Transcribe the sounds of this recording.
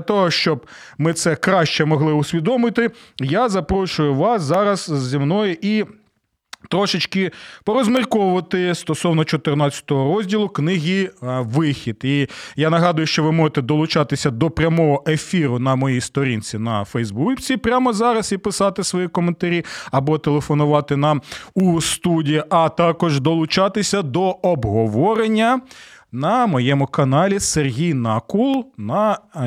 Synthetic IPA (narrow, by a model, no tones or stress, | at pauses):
ɐt̪ɔɦɔʃt͡ʃɔb | mɪt̪sɛkɾɑʃt͡ʃɛmɔɦlˠɪʊsʲʋʲid̪ɔmɪt̪ɪjazɐpɾɔʃʊjʊʋɑszɑɾɐszːʲimnɔjʊʔi | t̪ɾɔʃɪt͡ʃkɪpɔɾɔzmɪrkɔʋɐt̪ɪst̪ɔsɔwnɔt͡ʃɔt̪ɪrnɑt͡sʲːɐ̥t̪ɔɦɔɾɔzʲdʲilˠʊknɪɦʲiʋɪxʲid̪ijanɐɦɑd̪ʊjʊʃt͡ʃɔʋɪmɔʒet̪ɛd̪ɔlˠʊt͡ʃɑt̪ɪsʲɐd̪ɔpɾʲɐmɔɦɔʔefʲiɾʊnɐmɔjijst̪ɔɾʲint͡sʲinɐfɛjzbut͡sʲipɾʲamɔzɑɾɐsipɪsɑt̪ɪsʋɔjikɔment̪ɐɾʲiɐbɔt̪elˠefɔnʊʋɑt̪ɪnɑmust̪udʲijiʔɐt̪ɑkɔʒd̪ɔlˠʊt͡ʃɑt̪ɪsʲɐd̪ɔɔbɦɔʋɔɾenʲːɐnɐmɔjɛmʊkɐnɑlʲiserɦʲijnɐkulˠnɐ